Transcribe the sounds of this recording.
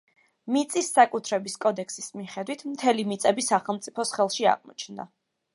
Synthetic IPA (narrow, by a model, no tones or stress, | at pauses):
mit̪sʼisːakʼut̪ʰɾɛbiskʼɔd̪ɛkʰsismiχɛd̪wit̪ʰmt̪ʰɛlimit̪sʼɛbisaχɛlˠmt̪sʼipʰɔsχɛlˠʃia̰ʁmɔ̰t͡ʃʰnd̪a̰